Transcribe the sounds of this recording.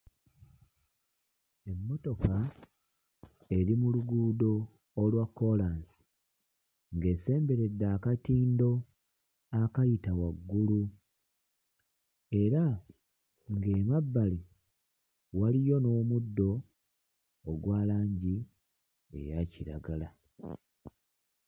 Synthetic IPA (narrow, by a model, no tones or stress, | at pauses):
e̞mːo̞to̞ka | e̞ɾimuluɡuːdo̞ː | lwakːo̞lansi̥ | ŋɡe̞ːse̞ːmbe̞ɾe̞dːaːkatiːndo̞ | akajitawaɡːulu | e̞ɾa | ŋɡeːmabːali | walijo̞no̞ːmudːo̞ | ɡwaːlaːɲɟi | ḛjaciɾa̰ɡala